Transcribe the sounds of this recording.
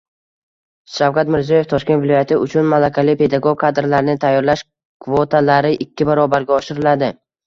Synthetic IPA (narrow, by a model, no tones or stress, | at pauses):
ʃawkat̪mɪɾziɒje̞ft̪ʰɒʃkʲet̪vɪlɒjat̪ʰɪʊt͡ʃʰʊnmalˠakʲʰalɪpe̞d̪aɡoɡ̚ʲkʰad̪ɾlaɾɪnɪt̪ʰajːɒɾlaʃ | kʰvot̪ʰalaɾɪʔɪkʲʰːɪbaɾɒbaɾɡʲaɒʃɪɾɪlad̪ɪ